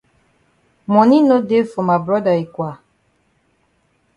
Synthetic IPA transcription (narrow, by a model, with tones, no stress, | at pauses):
mɔ̃˨nĩ˦no˦de˦fɔ˨ma˨bɾɔ˦də˨i˨kʷwa˨